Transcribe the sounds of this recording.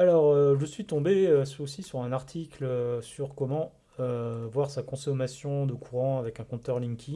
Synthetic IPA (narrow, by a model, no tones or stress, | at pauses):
alɔʁøʒəsɥit̪ɔ̃beøsosisyʁɛ̃naʁt̪ʰikløsyʁkɔmɑ̃ | øvwaʁsakɔ̃sɔmasjɔ̃d̪əkʰuʁɑ̃avɛkɛ̃kɔ̃t̪œʁlĩŋkʲʰi